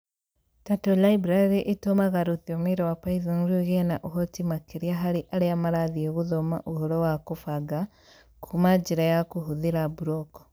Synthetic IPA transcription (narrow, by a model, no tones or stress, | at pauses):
tatolaibɾaɾiʔitomaɣaɾuθiomiɾowapaiðonɾuɣenaʔuɦotimakiɾiaɦaɾiʔaɾiamaɾaðieɣuðoma̰ʔuhoɾowakufaɡa | kʰumad͡ʒiɾajakuɦuðiɾabuɾoko̥